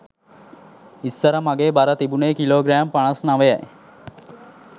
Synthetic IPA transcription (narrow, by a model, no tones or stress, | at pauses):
isːəɾəmaɡeːbaɾɐt̪ibuneːkiloːɡɾæːmpaɳɐsnaʋeja̰j